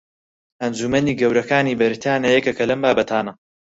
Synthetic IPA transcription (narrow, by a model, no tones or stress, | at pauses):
ʔɐnd͡ʒumɐniːɡɐwɾɐkaːniːbɐɾt̪ʰaːnɐjɛkɐkɐlɐmbaːbɐt̪ʰaːnɐ